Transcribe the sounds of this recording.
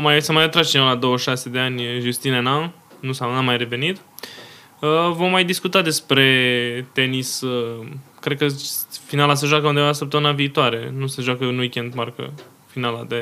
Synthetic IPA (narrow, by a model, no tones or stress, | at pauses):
omajsəmajat̪ɾast͡ʃinəwlad̪o̞wəʃase̞d̪e̞anʲʒust̪inena | nusaamːajre̞ve̞nit̪ | əvo̞mːajd̪iskut̪ad̪e̞spɾe̞t̪e̞nisəkɾed̪̚kəfinalas̬əʒoakəund̪eanlasəp̚t̪əmɨnaviːt̪oaɾe̞nusəʒoakəɨnwikʲend̪markə̰ | finalad̪e